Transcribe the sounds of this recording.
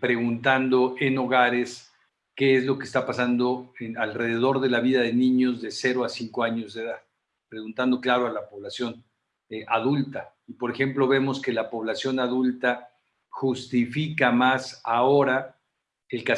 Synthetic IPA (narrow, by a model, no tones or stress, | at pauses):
pɾe̞ɣunt̪and̪o̞e̞no̞ɣaɾes | ke̞ezlo̞keːst̪apasand̪o̞enalre̞ðe̞ð̞o̞ɾðe̞laβiðaðe̞nĩɲo̞zðe̞se̞ɾo̞asiŋko̞aɲo̞zðe̞ðað | pɾe̞ɣunt̪and̪o̞klaɾoalapo̞βlasjo̞n | ʔaðult̪aipo̞ɾe̞xe̞mplo̞βe̞mo̞ske̞lapo̞β̞lasjo̞naðult̪a | xust̪ifikamasaoɾa | elka